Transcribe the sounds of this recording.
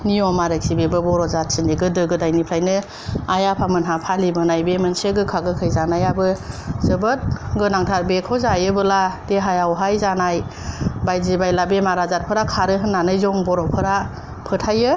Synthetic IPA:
niɔmaɾɯksibebɯbɔɾɔzat̚sʰindiɡɯdɯɡɯdajnipʰɾajnɯ | ajapʰamɯnɦapʰalibɯnajbemɯnseɡɯkʰaɡɯkʰɯjzanajabɯzɯbɯt̚ɡɯnaŋtʰat̚bekʰɔzajɯbɯlad̥eɦajawɦajzanaj | bajzibajlabemaɾazat̚pʰɯɾakʰaɾɯɦɯnːanɯjzɔŋbɔɾɔpʰɯɾa | pʰɯtʰajɯ

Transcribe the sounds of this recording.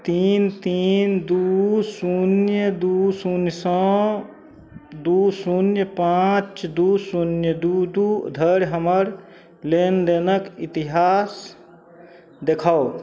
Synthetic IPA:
t̪iːnt̪iːnd̪usunjəd̪usunjəsə̃ | d̪usunjəpãt͡ʃd̪usunjəd̪ud̪ud̪ʱəɾɦəməɾ | lend̪enəkit̪iɦaːs | d̪ekʰao

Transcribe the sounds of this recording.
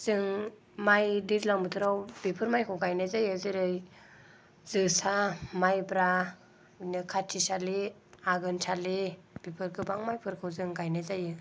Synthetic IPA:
z̥ɯŋ | majdizlaŋbɯtʰɯɾawb̥ipʰɯɾmajkʰɯwɡajnazajɯzɯɾɯj | z̥ɯsamajbɾa | nɯkʰatʰisali | aɡɯnsʰalib̥ipʰɯɾkɯbaŋmajpʰɯɾkʰɯwzɯŋɡajnazajɯ

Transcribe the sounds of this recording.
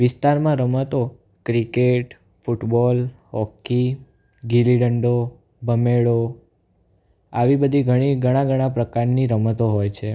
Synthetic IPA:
ʋɪst̪aɾmãɾəmət̪o | kɾikeʈ | fuʈbɔlɦɔki | ɡiliɖəɳɖo | bʱəmeɭo | aʋibəd̪ʱiɡʱəɽ̃iɡəɽ̃ãɡəɽ̃ãpɾəkaɾniɾəmət̪oɦojt͡ʃʰe

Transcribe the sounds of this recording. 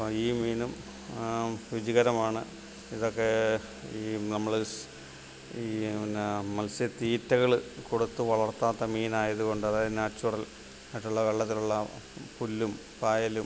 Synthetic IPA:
iːmiːnum | ʋid͡ʑiɣɐɾɐmaːɳɨ | iðo̞kːe̞ | iːnɐmːɐɭ | iː | mɐlsɐt̪iːtːɐɣɐɭkoɽut̪ːɨʋɐɭɐrt̪ːaːt̪ːɐmiːnaːjɐðuɣo̞ɳɖɐðaːjðnaːt͡ɕːurɐl | mɐʈːuɭːɐʋɐɭːɐt̪ːiluɭːɐpulːum | paːjɐlum

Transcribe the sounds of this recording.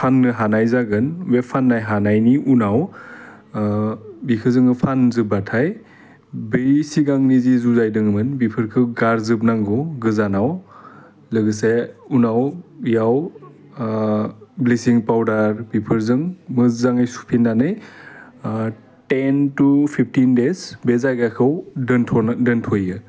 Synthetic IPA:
pʰannɯɦanajzaɡɯnwepʰanːajɦanajniʔunaw | bikʰɯzɯŋɯpʰanzɯbatʰaj | bɯjsiɡaŋnizizuzajdɯŋɯmɯnbipʰɯɾkʰɯɡaɾzɯp̬̚naŋɡɔɡɯzanaw | lɯɡɯseunawjaw | blesiŋpawdaɾbipʰɯɾzɯŋmɯzaŋajsu̥pʰinːanɯj | tentupʰip̚ʰtindesbezaɡakʰɯwntʰɔndɯntʰojɡɯ

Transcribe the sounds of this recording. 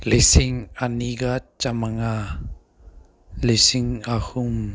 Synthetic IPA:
lesɪŋaniɡat͡ʃamaŋa | lesɪŋahum

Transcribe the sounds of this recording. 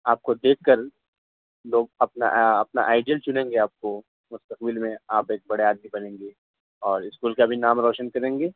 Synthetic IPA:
aːp̚kod̪eːkʰːɐɾ | loːɡ̚ɐpna̰ɐpna̰ʔaːɪɖiəlt͡ʃʊnẽːŋɡeaːp̚ko | mʊst̪əqbɪlmẽaːpeːk̚bɐɽeaːd̪̚mibɐnẽːŋɡeː | ɔːɾɪskuːlkabʱinaːmɾɔːʃənkɐɾẽːŋɡeː

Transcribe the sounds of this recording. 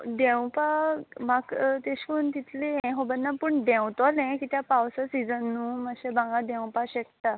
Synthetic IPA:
ɖɛ̃wpamaɡt̪eɕkunt̪it̪leɦɛ̃ɦobənːapəɳɖɛ̃wt̪ɔlɛ̃kit̪japawsasid͡zənːuːmaɕɛbãŋɡad̪ɛ̃w̃paɕɛkt̪a

